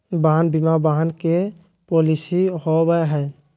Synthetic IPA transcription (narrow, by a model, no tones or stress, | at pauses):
baɦanbimabaɦankɛ | polisihɔbajɦaj